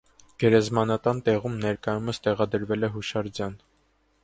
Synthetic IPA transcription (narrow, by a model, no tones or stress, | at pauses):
ɡ̥ɛɾɛzmɑnɑt̪ɑnt̪ɛʁumnɛɾkɑjuməst̪ɛʁɑd̪əɾvɛlɛɦuʃɑɾd͡zjɑn